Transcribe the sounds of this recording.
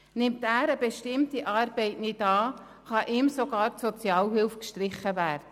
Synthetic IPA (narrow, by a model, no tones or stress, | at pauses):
nɪmtæːɾəbeʃtɪmtiʔɑːɾb̥ɛɪtnɪtɑː | χɑʔɪmsoɡ̥ɑːɾtsɔt͡sjɑːlɦɪlfkʃtɾɪχəvæːɾdə